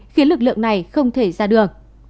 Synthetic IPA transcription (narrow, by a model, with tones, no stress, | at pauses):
xi˨˦əlɨ˨˩k̚lɨ̰˧˨əŋna˨˩jxə˧wŋ͡mt̪ʰe˧˩zaː˧ɗɨ˨˩əŋ